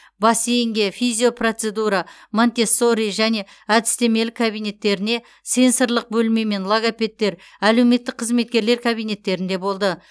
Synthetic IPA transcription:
bɑsejŋɡʲe̞fizʲijo̞prot̪se̞d̪uɾamont̪e̞so̞ɾijʒæne̞ | æd̪ɪst̪e̞me̞lɪkʰabijne̞t̪ːe̞ɾɪne̞ | se̞nsəɾlˠəq̚bɵlme̞me̞nlˠoɡapʲe̞t̪ːe̞ɾ | æle̞wme̞t̪ːɪk̚qʰːəzme̞t̪̚kʲe̞ɾle̞ɾkʰabijne̞t̪ːe̞ɾɪnd̪e̞bo̞lˠd̪ə

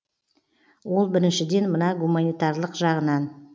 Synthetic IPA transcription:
wo̞lˠbɪɾɪnʃɪd̪e̞nmənɑɡumanijt̪ɑɾlˠəqʒɑʁənɑn

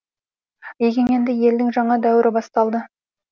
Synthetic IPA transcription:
jeɡʲeŋe̞nd̪ɪje̞ld̪ɪŋʒɑɴɑd̪æwɪɾʔɪbɑst̪ɑlˠd̪ə

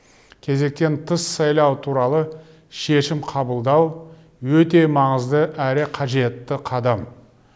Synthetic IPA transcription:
kʲʰe̞ze̞k̚t̪e̞nt̪ʰəsːɑjlˠɑwt̪ʰuɾɑlˠə | ʃe̞ʃɪmqʰɑbəlˠd̪ɑw | wɵt̪e̞mɑɴəzd̪əʔæɾɪqʰɑʒe̞t̪ːɪqʰɑd̪ɑm

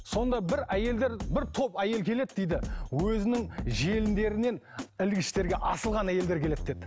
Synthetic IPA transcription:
so̞nd̪ɑbɪɾæje̞ld̪e̞ɾbɪɾt̪ʰo̞pæje̞lkʲʰe̞le̞t̪̚d̪ejd̪ɪwɵzɪnɪŋʒe̞lɪnd̪e̞ɾɪne̞nɪlɡʲɪʃt̪e̞ɾɡʲe̞ʔɑsəlˠʁɑnæje̞ld̪e̞ɾkʰʲe̞le̞t̪̚d̪ed̪

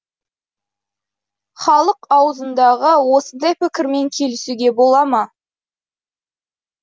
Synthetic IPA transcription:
χɑlˠəqɑwəzənd̪ɑʁəwo̞sənd̪ɑjpɪkʲɪɾme̞ŋkʲʰe̞lɪsuɡʲe̞bo̞lˠɑmɑ

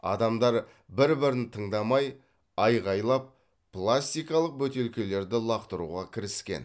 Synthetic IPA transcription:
ɑ̰d̪ɑmd̪ɑɾ | bɪɾbɪɾɪnt̪ʰəɴd̪ɑmɑj | ɑjʁɑjlˠɑp̚ | plˠasʲt̪ijkɑlˠəq̚bɵt̪e̞lkʲe̞le̞ɾd̪ɪlˠɑqt̪əɾṵʁɑkʲʰɪɾɪskʲe̞̰n

